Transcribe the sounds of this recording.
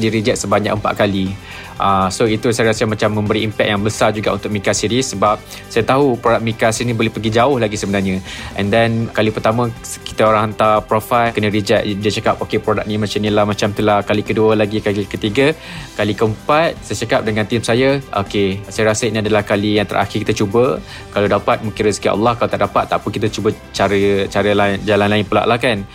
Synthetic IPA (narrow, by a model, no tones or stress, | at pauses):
diɾid͡ʒɛt̪̚səbaɲa̰k̚əmpa̰t̪̚kali | ʔasoit̪usajaɾasəmãt͡ʃamːə̃mbəɾiːmpɛk̚jaŋbəsard͡ʒuɡaʔunt̪ʊk̚mikasiɾisəbap̚ | sajat̪aɦupɾodak̚mikasiinĩbolɛhpəɡid͡ʒaʊhlaɡisəbənarɲə̃ʔɛ̰ndɛnkalipərt̪amə̃ | ki̥t̪aoɾaŋɦant̪apɾofalkənə̃ɾid͡ʒaʔ̚dət͡ʃakap̚okepɾodak̚nĩmat͡ʃamnĩlahmat͡ʃamt̪ulahkalikəduəlaɡikalikət̪iɡa | kalikəəmpat̪̚sajat͡ʃakap̚dəŋãnt̪imsajaʔokesajaɾasəinĩadəlahkalijaŋt̪əɾʔa̰xɪrkit̪ət͡ʃubə | kaladapat̪̚muŋkɪnɾəsi̥kiʔɑ̰lːɑhkalaot̪aʔdapat̪ːa̰ʔpʊnkit̪at͡ʃubə | t͡ʃaɾət͡ʃaɾəlad͡ʒalanlaɪnpəla̰ʔlahkan